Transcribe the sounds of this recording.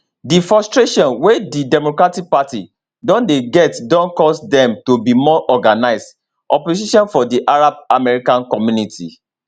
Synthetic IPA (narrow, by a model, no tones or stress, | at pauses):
difɹɔstɹeʃɔ̃nwedidɛmokɹatik̚patḭ | dɔ̃ndeɡɛtdɔ̃nkɔsdɛ̃mtobimɔʔɔɡanaɪzd | ʔɔpoziʃɔ̃nfɔdiʔaɹab̚amɛɹikãnkɔmjunitʰḭ